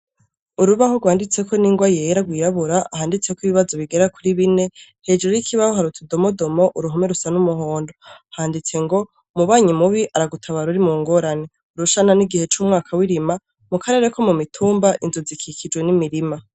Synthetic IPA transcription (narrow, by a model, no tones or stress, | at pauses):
uɾuβahoɡwaːndit͡se̞kʰo̞niːŋɡwajejɾaɡwiːɾaβuɾaahaːndit͡se̞kwiβiβazo̞βiɡe̞ɾakuɾiβine̞ | he̞d͡ʒuɾojikʰiβahoɦaɾut͡sido̞modo̞mo̞ʔuɾuɦome̞ɾusanumuɦo̞ːndo̞haːndit͡se̞ŋɡo̞ | muβaːɲimuβiʔaɾaɡutʰaβaɾuɾimuŋɡo̞ːɾane̞ | uɾuʃananiɡihe̞t͡ʃuːmŋaːkʰawiɾima | mukʰaɾe̞ɾe̞kʰo̞mumitʰuːmbaʔinzuzikʰikʰid͡ʒɡwe̞nimiɾima